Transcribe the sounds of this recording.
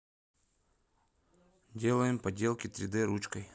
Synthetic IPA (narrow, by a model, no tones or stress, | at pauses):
dʲe̞lˠəjɪmpɐdʲe̞lˠkʲɪt̪ɾʲɪd̪ɨɾut͡ɕkəj